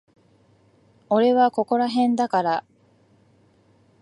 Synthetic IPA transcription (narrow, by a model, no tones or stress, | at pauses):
o̞ɾe̞βako̞ko̞ɾaɦẽ̞nd̪akaɾa